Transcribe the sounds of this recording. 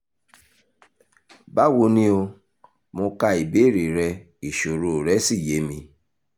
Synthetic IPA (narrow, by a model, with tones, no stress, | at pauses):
ba˦wo˧nĩ˧o˧ | mõ˧ka˧i˨be˨˦˨ɾe˨ɾɛ˧ | i˨ʃo˨ɾo˨ɾɛ˦si˦˨je˨˦mĩ˧